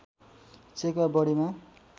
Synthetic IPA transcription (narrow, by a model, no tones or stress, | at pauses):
t͡sekabʌɽima